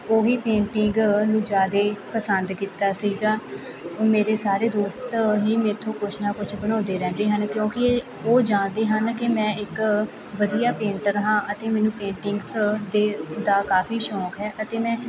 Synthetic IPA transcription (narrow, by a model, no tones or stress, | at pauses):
oːɦiːpẽːɳʈɪŋɡnũːd͡ʒaːd̪eːpəsənd̪kiːt̪aːsiiːd̪aː | meːɾeːsaːɾeːd̪oːst̪ɦiːmeːt̪ʰːõːkʊt͡ʃʰnaːkʊt͡ʃʰbəñaːnd̪eːɾɛ̃ːnd̪eːɦənkjõːkɪ | oːd͡ʒãːnd̪eːɦənkɪmɛ̃ːɪk | ʋəd̪ijaːpẽːɳʈəɾɦãːʔət̪eːmɛːnũːpẽːɳʈɪŋɡsd̪eːd̪aːkaːfiːʃɔːkɦɛːʔət̪eːmɛ̃ː